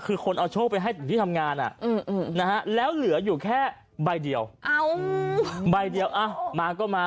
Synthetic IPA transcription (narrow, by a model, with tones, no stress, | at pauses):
kʰɯː˧xʰo˧nʔa˧wt͡ɕʰoː˥˩kpa˧jɦa˥˩jt̪ʰɯ˨˦t̪ʰiː˥˩t̪ʰmŋaː˧nʔa̰˨˩ʔɯː˧˩mʔːna˦˥ha˦˥lɛː˦˥wlɯ˩˦ɐjuː˨˩kʰɛː˥˩ | ba˧jdi˧əwʔa˧˩w | ba˧jdi˧əwʔa˧˩maː˧kɔː˥˩maː˧